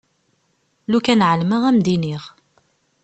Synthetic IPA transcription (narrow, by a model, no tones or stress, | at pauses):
lukænʕəlməʁæmd̪iniʁ